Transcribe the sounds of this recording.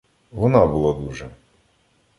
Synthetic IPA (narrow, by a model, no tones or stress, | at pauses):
ʋɔnɑbulˠad̪uʒɛ